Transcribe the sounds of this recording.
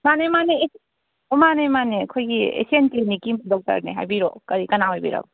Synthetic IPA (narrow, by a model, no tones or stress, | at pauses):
manemanee | omanejmanekʰojɡiḛsientinikimdɔk̚tɐ̰ɾnḛɦa̰jbiɾo̰kɐɾikɐnaɦojbḭɾa̰b̚